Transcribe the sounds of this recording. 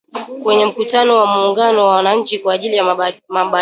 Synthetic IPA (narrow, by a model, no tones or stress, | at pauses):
kwɛɲɛm̩kutanɔwamuːŋɡanɔwawanaɲ̩t͡ʃikwaːʄilijamaɓa